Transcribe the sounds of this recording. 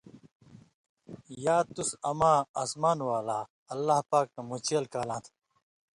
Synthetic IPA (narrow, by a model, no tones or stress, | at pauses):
jaːt̪usɐmãːasmaːnwaːlaː | ɐlːaːhpaːk̚ːɐmut͡ɕeːlkaːlãːt̪ʰ